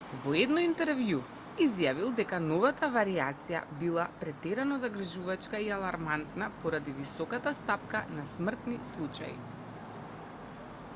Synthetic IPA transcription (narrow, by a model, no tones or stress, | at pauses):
vɔɛd̪nɔint̪ɛɾvju | izjavilˠd̪ɛkanɔvat̪avaɾiat̪sija̰bilˠapɾɛt̪ɛɾanɔzaɡɾ̩ʒuvat͡ʃkaialˠaɾmant̪napɔɾad̪ivisɔkat̪ast̪apkanasmr̩t̪nislˠut͡ʃa̰jḭ